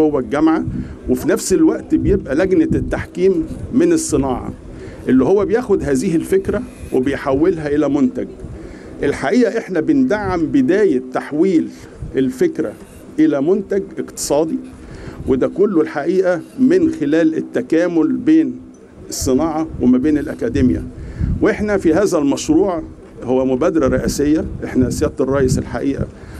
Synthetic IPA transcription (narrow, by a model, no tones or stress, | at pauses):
owːæɡæmʕawefinæfselwæʔt̪bejebʔælæɡnæt̪ːaħkiːmːenesˤːɨnɑːʕɑ̰ | ʔelːiɦowːæbejæːxod̪ɦæːziːhelfekɾæwebejħawːelɦæʔelæmont̪æɡ | ʔelħaʔiːʔæʔeħnæbɪnd̪aʕːambed̪æːjet̪ːaħwiːl | ʔelfekɾæ̰ | ʔelæmont̪æɡʔeqt̪ɨ̥sˤɑːd̪i | wed̪ækʊlːolħaʔiːʔæmɪnxelæːlɪt̪ːækæːmʊlbeːn | sˤːɨnɑːʕɑwemæbeːnelʔækæd̪emjæ̰weħnæfihæːzælmɑʃɾuːʕ | howːæmʊbæːd̪ɾˤæɾˤeʔæːsejːæʔeħnæsjæːt̪rˤːɑːjeselħa̰ʔiːʔæ̰